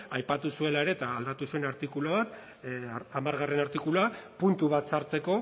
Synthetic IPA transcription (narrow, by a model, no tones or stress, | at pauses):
ajpat̪usue̞lae̞ɾe̞t̪aːld̪at̪usue̞naɾt̪ikuloβ̞at̪ | amaɾɣare̞naɾt̪ikuloapunt̪uβ̞at̪saɾt͡se̞ko̞